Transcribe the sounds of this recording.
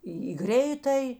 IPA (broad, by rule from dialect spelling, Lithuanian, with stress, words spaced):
ˈiː iː ˈɡrʲɛɪtɐj